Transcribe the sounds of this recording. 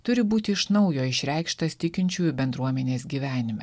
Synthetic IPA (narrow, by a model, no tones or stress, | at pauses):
t̪ʊɾʲɪbuːt̪ʲɪɪʃnɐʊjoːɪʃʲɾʲɛˑɪkʃt̪ɐst̪ʲɪkʲɪnʲt͡ʃʲuːjʊbʲɛnd̪ɾuɔmʲɛnʲeːsɡʲiːʋʲæːnʲɪmʲɛ